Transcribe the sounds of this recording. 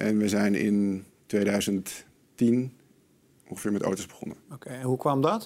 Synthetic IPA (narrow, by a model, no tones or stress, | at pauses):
ʔɛnʋəjzɛjnɪ̰n | tʋejdœɥzənt | tin | ɔŋχəfɪːɹmɛto̰wtowzbəχɔ̰nəokeɦukʋɑmdɑt